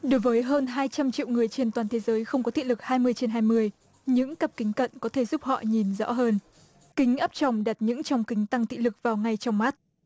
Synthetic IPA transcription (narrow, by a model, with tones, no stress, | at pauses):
ɗo˨˦jvəː˨˦jɦəː˧nɦaː˧jt͡ɕa˧mt͡ɕḭ˧˨wŋɨ˨˩əjt͡ɕe˧nt̪waː˨˩nt̪ʰe˨˦zəː˨˦jxə˧wŋ͡mkɔ˨˦t̪ʰḭ˧˨lɨ˨˩k̚haː˧jmɨ˧əjt͡ɕe˧nɦaː˧jmɨ˧əj | ɲɨ̰˧˥ŋkə˨˩p̚kï˨˦ŋ̟kə̰˧˨nkɔ˨˦t̪ʰe˧˩zu˦˥p̚hɔ̰˧˨ɲi˨˩nzɔ̰˧˥ɦəː˧n | kï˨˦ŋ̟ʔəː˦˥p̚t͡ɕɔ˨˩wŋ͡mɗa˨˩t̚ɲɨ̰˧˥ŋt͡ɕɔ˧wŋ͡mkï˨˦ŋ̟t̪a˧ŋt̪ḭ˧˨lɨ˨˩k̚vaː˨˩wŋa˨˩jt͡ɕɔ˧wŋ͡mma˦˥t̚